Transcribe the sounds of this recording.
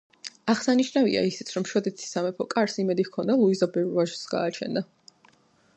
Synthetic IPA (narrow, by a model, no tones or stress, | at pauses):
aʁsaniʃnavḭa̰isit̪sʰɾɔmʃwɔd̪ɛt̪ʰi̥sːamɛpʰɔkʼaɾsimɛd̪ikʰɔnd̪alˠuizabɛɾvaʒsɡa̰ːt͡ʃʰɛ̰nd̪a